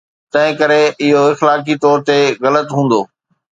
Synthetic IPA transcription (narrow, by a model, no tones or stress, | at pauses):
t̪ɐ̃ɦɪ̃kɐɾeɪɦoɪxlaːk̬it̪ɔːɾt̪eɣɐlət̪ɦũːn̆d̪oː